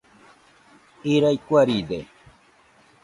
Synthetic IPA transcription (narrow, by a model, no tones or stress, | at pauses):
iɾajkʷaɾid̪ḛ